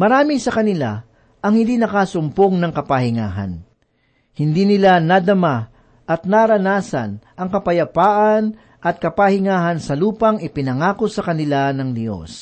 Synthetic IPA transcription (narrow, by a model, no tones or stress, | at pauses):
mɐɾaːmɪsɐkɐnɪla̰ | ʔɐŋhɪnd̪iːnɐkasʊmpoŋnɐŋkɐpɐhɪŋa̰ːɦɐ̰n | hɪnd̪iːnɪlanɐd̪ɐma | ʔɐt̪naɾɐnaːsɐ̰nʔɐŋkɐpɐjɐpaːʔɐn | ʔɐt̪̚kɐpahɪŋaːɦɐnsɐluːpɐŋɪpɪnɐŋaːkosɐkɐnɪlanɐŋd̪ɪjo̰s